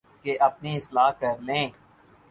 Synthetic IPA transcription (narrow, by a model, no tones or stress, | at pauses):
keʔɐp̚niɪslaːɦkɐɾlẽː